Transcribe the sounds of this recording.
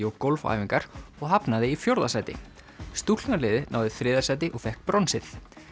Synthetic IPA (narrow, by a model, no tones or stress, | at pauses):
ɔɣkolfa̰ːjviŋkaɾ̥ɔɣɦapnaðɪifjowɾðasaːjt̪ɪ̰ | st̪ul̥naɾlɪːðɪna̰ːwðɪθɾɪːðasaːjt̪ɪʔɔɣfɛhk̚pɾɔnsɪθ